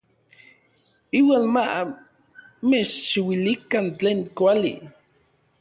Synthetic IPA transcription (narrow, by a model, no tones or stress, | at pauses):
iwaːnma | met͡ʃʃiwilikant͡ɬeːŋkʷalḭ